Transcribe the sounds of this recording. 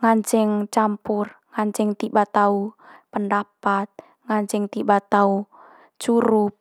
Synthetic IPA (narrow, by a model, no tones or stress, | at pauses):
ŋaɲt͡ʃɛŋt͡ʃampur | ŋaɲt͡ʃɛŋt̪ibat̪aupəndapat̪̚ | ŋaɲt͡ʃɛŋt̪ibat̪au | t͡ʃuɾup̚